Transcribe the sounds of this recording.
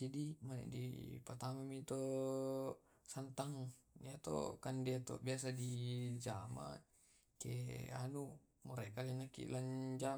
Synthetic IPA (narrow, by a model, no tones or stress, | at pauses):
idimanḛdḭpat̪amamit̪o | sant̪aŋiat̪o̰kandeat̪o̰biasadid͡ʒama̰ | kḛa̰nu | muɾekalenakḭland͡ʒa